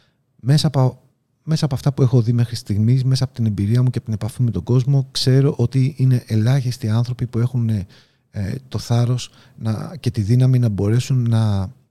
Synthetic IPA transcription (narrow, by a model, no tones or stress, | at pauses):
me̞sɐp | me̞sɐːpoːft̪ɐpue̞xo̞ðime̞xɾisist̪iɣmisme̞sɐːpo̞t̪ine̞mbiɾiɐmuceɐpot̪ine̞pɐfimet̪o̞ɡo̞zmo̞kse̞ɾo̞ʔo̞t̪iine̞ʔelɐçist̪iɐnθɾo̞pipue̞xune | et̪o̞θɐɾo̞s | nɐ̰ce̞t̪iðinɐminɐbo̞ɾe̞sunːɐ